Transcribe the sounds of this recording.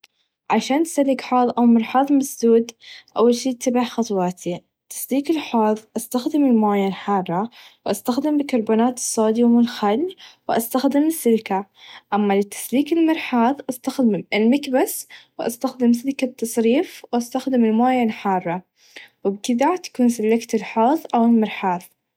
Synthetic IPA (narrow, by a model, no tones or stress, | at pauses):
ʕaʃaːnt̪salːɪkħɑːðˤʔawmɪɾˤħɑːðˤmasd̪uːd̪ʔa̰wːalʃiːt̪ːabaħxɑt̪ˤwɑːt̪ʰi | t̪ːḁsliːkɪlħɑːðˤʔast̪axd̪ɪmɪlmaːjanħɑːrˤːɑwʔast̪axd̪ɪmbɪkɑɾˤbuːnaːt̪ɨ̥sˤːɑːd̪iwmʊlxalːwʔast̪axd̪ɪmɪsːɪɾkaʔamːalɪt̪ːḁsliːkɪlmɪɾˤħɑːðˤʔast̪axd̪ɪmʔɪlmakbaswʔa̰st̪axd̪ɪms̬ɪɾkabt̪ːɑsˤɾiːfwʔast̪axd̪ɪmɪlmaːjanħɑːrˤːɑ | wɪbkɪd̪at̪ḁkuːnsalːakt̪ɪlħoːðˤʔawɪlmɑɾħɑːðˤ